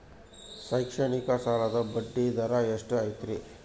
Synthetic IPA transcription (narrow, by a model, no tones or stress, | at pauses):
sɐjkʂɐɳikɐsaːlɐd̪ɐbɐɖːid̪ɐɾaeʂʈɨajt̪ɾi